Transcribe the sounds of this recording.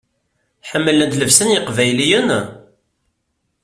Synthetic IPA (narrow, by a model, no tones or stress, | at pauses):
ħəmːəlːənd̪ləvsənjəqvæjlijən